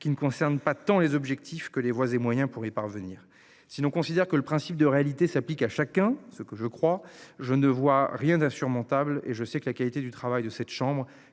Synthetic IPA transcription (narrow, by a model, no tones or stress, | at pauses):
kʲinəkɔ̃sɛʁnpat̪ɑ̃lezɔbʒɛk̚t̪ʰifkəlevwazemwajɛ̃puʁipaʁvəniːʁ | silɔ̃kɔ̃sid̪ɛʁkələpχɛ̃sip̚d̪əʁealit̪esaplikaʃakɛ̃səkəʒəkχwaʒənəvwaʁjɛ̃d̪ɛ̃syʁmɔ̃t̪ablḛʒəsɛkəlakalit̪ed̪yt̪χavajd̪əsɛt̪ʃɑ̃bʁ